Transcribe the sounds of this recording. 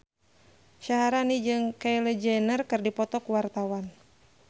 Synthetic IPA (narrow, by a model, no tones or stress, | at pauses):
ʃaɦaɾanid͡ʒɨŋkajlɛd͡ʒɛnərkɨrdipɔt̪ɔkuwart̪awan